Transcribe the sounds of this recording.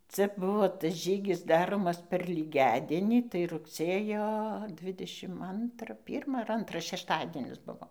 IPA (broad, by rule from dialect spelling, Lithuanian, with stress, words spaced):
ˈt͡sʲɛ ˈbʊʋoː tɐs ˈʒʲiːɡʲɪs ˈdɑːroːmɐs pʲɛr lʲiːˈɡʲæːdʲiɛnʲiː tɐɪ rʊkˈsʲeːjoː ˈdʲʋʲɪdʲɛʃʲɪm ˈɐntrɐ ˈpʲiːrmɐ ɐr ˈɐntrɐ ʃʲɛʃˈtɑːdʲiɛnʲɪs ˈbʊʋoː